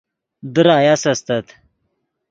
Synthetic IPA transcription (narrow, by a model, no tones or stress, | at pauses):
d̪ɨɾaːjasɐst̪ɐt̪